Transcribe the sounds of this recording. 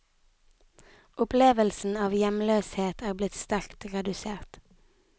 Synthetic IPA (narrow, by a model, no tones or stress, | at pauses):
ʔʊpleːʋəlsn̩ɑːʋjɛmløːsheːt̪ʰæːʁblɪt̪st̪æʁkt̪ʁɛd̪ʉseːʁt̪